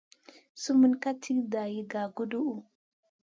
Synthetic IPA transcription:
su˦mu˦nka˦tʰi˦kda˨ji˦ɡa˨ɡu˦du˦ʔu˨

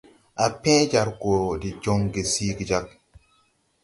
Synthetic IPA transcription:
a˨pɛ̃˦d͡ʒa˨ɾko˨di˨d͡ʒo˦ŋɡe˨si˦ɡi˨d͡ʒa˦k̚

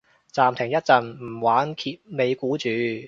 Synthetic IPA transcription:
t͡saː˨mt̪ʰɪ˨˩ŋjɐ˥t̚t͡sɐ˨nm̩˨˩waː˨˥nkʰiː˧p̚me˨˧jkuː˨˥t͡ʃyː˨˧

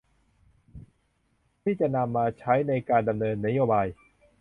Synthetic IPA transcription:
t̪ʰiː˥˩t͡ɕa˨˩ʔna˧mːaː˧t͡ɕʰa˦˥jna˧jkaː˧nda˧mnɤː˧nːa˦˥joː˧baː˧j

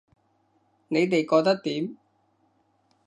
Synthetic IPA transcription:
ne˨˧jt̪e˨jkɔː˧k̚t̪ɐ˥k̚t̪iː˨˥m

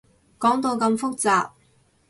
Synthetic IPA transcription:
kɔː˨˥ŋt̪o˧wkɐ˧mfʊ˥k̚t͡saː˨p̚

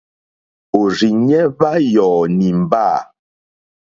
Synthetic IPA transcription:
o˨ɾi˨ɲɛ˦va˦jɔː˨ni˨m̩˨baː˦˨

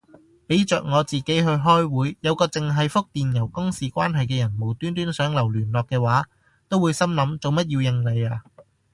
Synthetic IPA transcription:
pe˨˥jt͡ʃœː˨k̚ŋɔː˨˧t͡siː˨ke˨˥jɦɵ˧ɥɦɔː˥jwuː˨˥jjɐ˨˧wkɔː˧t͡sɪ˨ŋɦɐ˨jfʊ˥k̚t̪iː˨njɐ˨˩wkʊ˥ŋsiː˨kʷaː˥nɦɐ˨jkɛː˧jɐ˨˩nmo˨˩wt̪yː˥nt̪yː˥nsœː˨˥ŋlɐ˨˩wlyː˨˩nlɔː˨kːɛː˧waː˨˥ | t̪o˥wuː˨˧jsɐ˥mlɐ˨˥mt͡so˨wmɐ˥t̚jiː˧wjɪ˧ŋle˨˧jaː˧

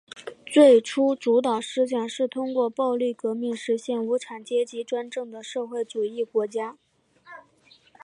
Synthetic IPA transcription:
t͡swe˥˩ɪʈ͡ʂʰu˥ʈ͡ʂu˧˥t̪ɑ˨˩ʊʂɻ̩˥ɕ̬jɑ˥˩ŋʂɻ̩˥˩t̪ʰʊ˥ŋkwɔ˥˧pɑ˥˧ʊly˥˩kɤ˧˥mi˥˩ŋʂɻ̩˧˥ɕjɛ˥˩nu˧˥ʈ͡ʂʰa˨˩nt͡ɕjɛ˥t͡ɕi˧˥ʈ͡ʂwa˥nʈ͡ʂɤ˥˩ŋd̪ə˩ʂɤ˥˧xwe˥˩ɪʈ͡ʂu˨˩i˥˩kwɔ˧˥t͡ɕja˥

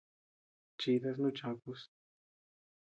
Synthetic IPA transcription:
t͡ʃi˧ða˧s̬nũ˦t͡ʃã˧ku˧s

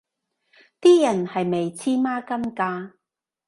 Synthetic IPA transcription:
t̪iː˥jɐ˨˩nhɐ˨jme˨jt͡sʰiː˥maː˥kɐ˥mkaː˥

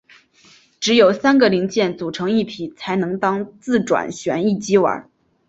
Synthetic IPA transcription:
ʈ͡ʂɻ̩˧˥jo˨˩ʊsa˥nɡə˨li˧˥ŋt͡ɕjɛ˥˩nt͡su˨˩ʈ͡ʂʰɤ˧˥ŋi˥˩pʰi˨˩˦t͡sʰa˧˥ɪnɤ˧˥ŋt̪ɑ˥ŋt͡sɹ̩˥˩ʈ͡ʂwa̰˨˩nɕɥɛ̰˧˥ni˥˩t͡ɕi˥wə̰˧˥

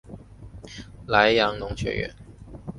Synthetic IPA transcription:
la˧˥ɪjɑ˧˥ŋnʊ˧˥ŋt͡ɕʰɥɛ̰˧˥ɥɛ̰˧˥n

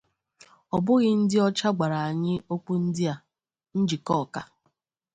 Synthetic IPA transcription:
ɔ˨bʊ˦ɣɪ˦n̩˦dɪ˦ɔ˦t͡ʃa˦ɡ͡ba˨ɾa˨a˨ɲɪ˦o˦k͡pu˦n̩˦dɪ˦a˨ | n̩˦d͡ʒi˨kɔ˦˨ka˨

